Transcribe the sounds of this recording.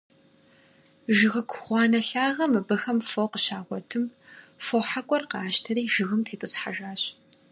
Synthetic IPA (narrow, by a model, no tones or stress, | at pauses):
ʒɨɣɐkʷʰʊxχʷɑːnɐɬaːʁɐmɨbɨxɐmfoqəɕaːʁʷɔtʰɨmfoːħakʷʼɔrqɑːʃtʰɐɾiːʒɨɣɨmtʰeːtʼɨsħa̰ʒaːɕ